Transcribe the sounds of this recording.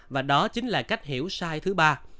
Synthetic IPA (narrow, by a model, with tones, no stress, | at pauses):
vaː˨˩ɗɔ˨˦t͡ɕï˨˦ŋ̟laː˨˩ka˦˥jk̟̚ɦḭ˧˩˥əwsaː˧jt̪ʰɨ˨˦ɓaː˧